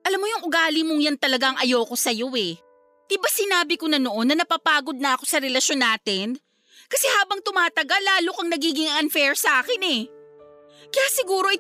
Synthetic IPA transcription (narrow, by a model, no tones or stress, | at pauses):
ʔɐlamːojʊŋʔʊɡaːlɪmoŋjant̪ɐlɐɡaŋʔɐjo̞ːko̞sɐjo̞ɛ | ʔ̪ɪbasɪnaːbɪkonɐno̞ʔo̞nːɐnɐpaːpaːɡo̞d̪̚nɐʔɐko̞sɐɾɛlɐʃo̞nːaːt̪ɪn | kɐsɛhaːbɐŋt̪ʊmaːt̪ɐɡalːaːlokɐŋnɐɡiːɡɪŋɐnfɛɹsɐʔaːkɪnɛ | kɐjaːsɪɡuːɾo̞ʔɪ